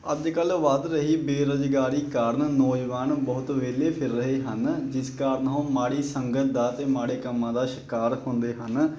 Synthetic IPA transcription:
əd͡ʒ̪kəlʋad̪ɾəɦiːbeːɾod͡ʒɡaːɾiːkaːɾənnoːd͡ʒʋaːnbəɦʊt̪ʋeːleːpʰɪɾːəɦeːɦənd͡ʒɪskaːɾənɦõːmaːɽiːsəŋɡət̪̚d̪aːt̪eːmaːɽeːkəmːãːd̪aːʃɪkaːɾhʊ̃nd̪eːɦən

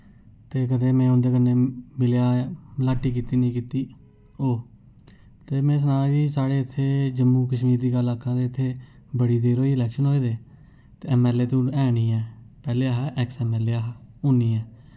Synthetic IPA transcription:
t̪eːkəd̪eːmɛ̃ːʊnd̪eːkəneːmɪljaːlaːʈːiːkiːt̪iːnĩːkiːt̪iː | oː | t̪eːmɛ̃ːs̬ənaːd͡ʒiːsaːɽeːɪt̪ʰːeːd͡ʒəmːuːkəʃmiːɾd̪iːɡəlaːkʰãːd̪eːɪt̪ʰːeː | bəɽiːd̪eːɾoːiːɪlɛːkʃənɦoːeːd̪eː | t̪eːɛːmɛːleːt̪õːɛːɽ̃iːɛːpɛːleːaɦʔɛksɛːmɛːleːɦʊniːɛː

